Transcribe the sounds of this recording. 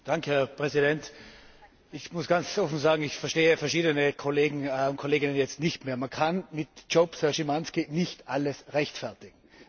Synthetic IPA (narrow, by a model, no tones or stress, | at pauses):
d̥aŋkʰəhɛɐpʁ̥ɛzidɛnt | ɪçmʊsɡ̥ant͡sʔɔfn̩zaːɡŋ̩ɪçfɛɐʃteːəfɛɐʃiːdənəkʰoleːɡŋ̩ʊnt̚kʰoleːɡɪnənjɛt͡stnɪçtmeːɐmankʰanmɪtt͡ʃopshɛɐʃimanskinɪçtʔaləsʁɛçtfɛɐtɪɡ̥ŋ̩